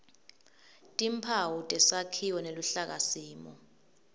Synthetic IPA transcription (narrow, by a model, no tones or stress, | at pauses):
tʼimpʰawutʼɛsakʰiwɔneluɬak̬asiːmɔ